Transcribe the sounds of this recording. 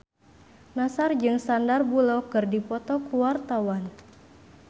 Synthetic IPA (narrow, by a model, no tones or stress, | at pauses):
nasard͡ʒɨŋsandarbulɔkɨrdipɔt̪ɔkuwart̪awan